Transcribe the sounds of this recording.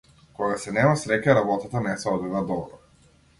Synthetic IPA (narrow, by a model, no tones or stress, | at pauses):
kɔɡasɛnɛmasɾɛkaɾabɔt̪at̪anɛsɛɔd̪vɛvad̪ɔbɾɔ